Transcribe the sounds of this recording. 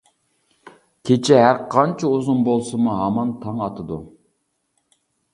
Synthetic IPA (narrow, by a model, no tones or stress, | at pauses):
kʲʰet͡ʃʰɛɦæɾqʰɑnt͡ʃʰɛuzunbolˠsɨmuɦɑmɑnt̪ʰɑŋɑt̪ʰɨd̪u